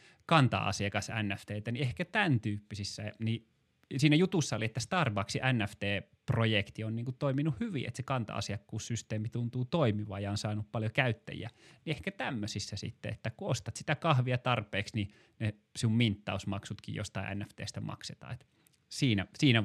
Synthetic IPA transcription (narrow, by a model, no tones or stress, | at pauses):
kɑnt̪ɑ̰ɑ̰siɑkɑsæ̰nːæft̪eːt̪æniehkæt̪ænt̪yːpːisisːæ̰ni | siːnæjut̪usːɑoliet̪ːæst̪ɑrʋɑːksiʔænːæft̪eː | projekt̪ionniːŋkut̪oiminuhhyʋḭḛt̪sekɑnt̪ɑ̰ɑ̰siɑkːuːssyst̪eːmit̪unt̪uːt̪oimiʋɑ̰ːjɑonsɑːnuppɑljokæyt̪ːæ̰jḭæ̰niehkæt̪æmːøsisːæsḭt̪ːḛḛt̪ːækuost̪ɑt̪si̥t̪ækɑhʋiɑt̪ɑrpeːksni | ne | siummint̪ːɑ̰usmɑksut̪kḭjo̰st̪ɑiʔæ̰nːæft̪ḛːst̪æmɑ̰kset̪ɑ̰ːet̪ | siːnæsiːnæ